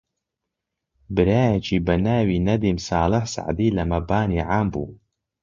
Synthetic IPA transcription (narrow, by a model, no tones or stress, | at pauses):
bɨɾaːjɐt͡ʃʰiːbɐnaːwiːnɐd̪iːmsɑːlɨħsa̰ʕd̪iːlɐmɐbaːniːʕaːmbṵː